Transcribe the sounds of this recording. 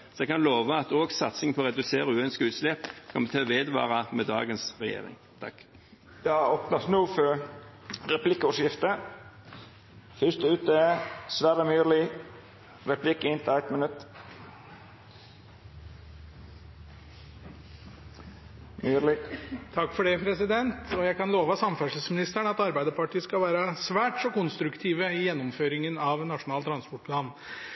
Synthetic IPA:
sɔɛɡkɑnloːʋəɑt̪oːɡsɑt̪sɪŋpʰɔːʁɛd̪ʉseːɾəʉːøːnskʉːt̪slɛːpkʰɑmbət̪ʰøːʋeːd̪ʋɑ̰ːʁɑmɛd̪ɑ̰ːɡənsʁɛjḛːɾɪ̰ŋ | t̪ʰɑkː | d̪̥ɛɑoːpnɑsnuːfɔɾ | ɾɛpʰlɪkːəɔʂjɪft̪ə | fʏst̪əʉːt̪əsʋæːɾəmyːɾlɪ | ɾɛpʰlɪkːɪnt̪ʰɪlæɪt̪mənʉt̪ː | myɾɪt̪ʰɑkːfɔɖɛpʰɾɛsɪd̪ɛnt̪ɔjæɪkɑnloːʋəsɑmfæʂəsmɪnɪst̪æɳəɑt̪ɑɾbæɪd̪əpɑʈiːəskɑlʋæːɾəsʋæːʈsɔkʊnst̪ɾʉkt̪ʰiːʋəɪjɛnːɔmføːɾɪŋənɑʋnɑʂʊnɑːlt̪ʰɾɑnspɔʈ̚pʰlɑːn

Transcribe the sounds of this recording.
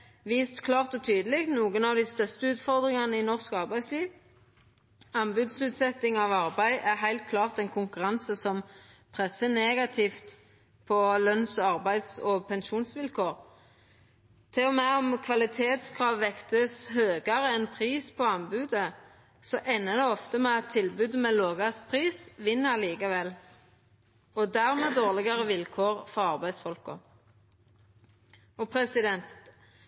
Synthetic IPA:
ʋiːst̪kʰlɑːʁt̪ɔt̪ʰyːd̪əlɪɡt̪nuːɡənɑʋd̪ɪst̪œst̪əʉːt̪fɔʁd̪ʁɪŋɑnəɪnɔʁskɑʁbæɪd̪sliːʋ | ɑmbʉːd̪sʉːt̪sɛt̪ːɪŋɑʋɑʁbæɪʔæʁɦæɪlt̪̚kʰlɑːʁt̪ɛnkʰʊŋkʉʁɑnsəsɔm | pʰʁɛsːəneːɡɑt̪ʰɪft̪ | pʰɔlœnsɔɑʁbæɪd̪sɔpʰɛnʃuːnsʋɪlkʰoːʁ | t̪ʰɪlɔmæɔmkʰʋɑlɪt̪ʰeːt̪skʰʁɑːʋʋɛkt̪əshøːɡɑʁəɛnpʰʁiːspʰɔɑmbʉːd̪ə | sɔʔæɪnːəd̪ɛɔft̪əmɛɑt̪ʰːɪlbʉd̪əmɛloːɡɑst̪pʰʁiːsʋɪnːəliːkəʋɛl | ɔd̪æʁmɛːd̪oːʁlɪɡɑʁəʋɪlkʰoːʁfɔʁɑʁbæɪsfɔlkɔ̰ | ɔpʰɾɛsɪd̪ɛnt̪

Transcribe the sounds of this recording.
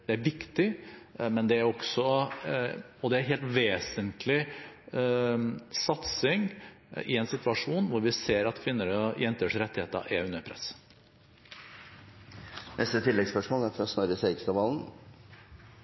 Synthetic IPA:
d̪̥ɛæɾʋɪkt̪ɪmɛnd̪ɛæɾɔksɔ | ɔd̪ɛæɾɦeːlt̪ʋeːsənt̪ʰlɪ | sɑt̪sɪŋ | ɪ̰ɛnsɪt̪ʋɑʂuːnʋʊɾʋɪseːɾɑt̪kʰʋɪnːəɾəjɛnt̪əʂɾɛt̪ːɪheːt̪ə̰ɑ̰ʔɛʉnːəɾpʰɾɛ̰s | nʔɛst̪ət̪ʰɪlːɛɡspœʂmoːlæɾfɔɾɔsnɔɾəseɪkst̪ɑʋɑːln̩

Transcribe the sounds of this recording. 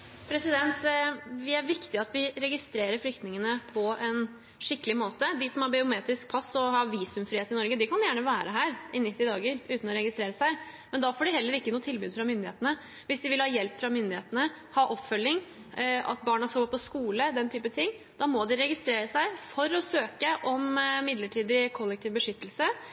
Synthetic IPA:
pʰɾɛsɪd̪ɛnt̪ʋɪæɾʋɪkt̪ɪɑt̪ʋɪɾɛɡɪst̪ɾeːɾəɾflʏkt̪nɪŋənəpʰɔɛn | ʂɪkːəlɪmoːt̪əd̪ɪsɔmhɑɾbɪʊmeːt̪ɾɪsk̚pʰɑsːɔhɑʋiːsʉmfɾiːeːt̪ɪnɔɾɡəd̪ɪkʰɑnjæːɳəʋæːɾəɦæːɾʔɪnɪt̪ːɪd̪ɑːɡəɾʉːt̪n̩ɔɾɛɡɪst̪ɾeːɾəsæɪ | mɛnd̪ɑfoːɖɪhɛlːəɾɪkːənuːt̪ʰɪlbʉːd̪fɾɑmʏnd̪ɪeːt̪ənə | ʋɪsd̪ɪʋɪlhɑːjɛlpːfɾɑmʏnd̪ɪheːt̪ənə | hɑːʔɔpːfœlːɪŋ | ʔɑ̰t̪̚bɑːɳɑskɑɡɔpʰɔskuːləd̪ɛnt̪ʰyːpət̪ʰɪŋː | d̪ɑmɔd̪ɪɾɛɡɪst̪ɾeːɾəsæɪfɔɾɔsøːkəʔɔmmɪd̪ləʈʰiːd̪ɪkʰɔlːɛk̚t̪ʰiːʋbəʂʏt̪ːəlsə

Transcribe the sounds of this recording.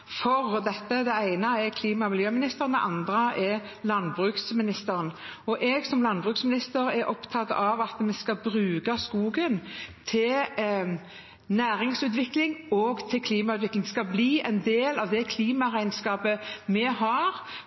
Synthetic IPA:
fɔʁd̪ɛt̪ːəd̪ɛæɪnəɛkʰliːmɑmɪljøːmɪnɪst̪əʁənd̪ɛ̰ʔɑnd̪ɾəʔɛ | lɑnbʁʉːksmɪnɪst̪əɾənɔʔɛɡsɔmlɑnbʁʉːksmɪnɪst̪əɾɛɾʔɔpt̪ʰɑt̪ːɑʋɑt̪mɛskɑbɾʉːɡɑskuːɡənt̪ʰɪl | næːɾɪŋsʉːt̪ʋɪklɪŋɔɡt̪ʰɪlkʰliːmɑʉt̪ʋɪklɪŋd̪ɛskɑbliːɛɪnd̪eːlɑʋd̪ɛkʰliːmɑʁæɪnskɑːpəmɛɦɑʁ

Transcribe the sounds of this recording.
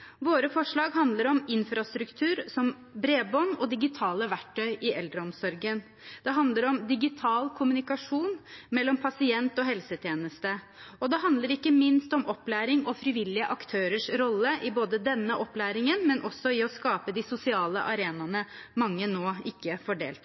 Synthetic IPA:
ʋoːɾəfɔʂɭɑːɡɦɑnd̪ləɾɔmɪnfɾɑst̪ɾʉkt̪ʰʉːɾsɔm | bɾeːbɔnːɔd̪ɪɡɪt̪ʰɑːləʋæʈʰːœʏʔɪɛld̪ɾəɔmsɔɾɡən | d̪ɛɦɑnd̪ləɾɔmd̪ɪɡɪt̪ʰɑːlkʰʊmʉnɪkɑʂuːnmɛlːɔmpʰɑsɪɛnt̪ɔɦɛlsət̪ʰjeːnəst̪ə | ɔd̪ɛɦɑnd̪ləɾɪkːəmɪnst̪ɔmʔɔpːlæːɾɪŋɔfɾɪʋɪlːɪəʔɑkt̪ʰøːɾəʂɾɔlːəʔɪboːd̪əd̪ɛnːəʔɔpːlæːɾɪŋənmɛnʔɔsːɔɪɔskɑːpəd̪ɪsʊsɪɑːlə̰ʔɑɾeːnɑnəmɑŋːənoːɪkːəfɔɖḛːlt̪

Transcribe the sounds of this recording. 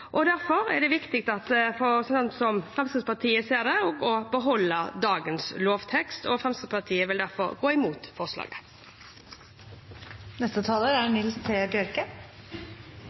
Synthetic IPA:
ʔɔd̪æɾfɔɾæ̰ɖɛʋɪkt̪ɪkt̪ɑt̪fɔsɔnsɔmfɾɛmst̪əspɑʁt̪ʰiːəseːɾd̪ɛɔɡɔbəɦɔlːəd̪ɑːɡənsloːʋt̪ʰɛkst̪ʰɔ̰fʁɛmst̪əspɑʁt̪ʰiːəʋɪld̪æɾfɔ̰ɾɡoːɪmuːt̪fɔʁʂlɑ̰ːɡə | nɛst̪ət̪ʰɑːləɾæɳɪlst̪ʰeːbjœɾkə

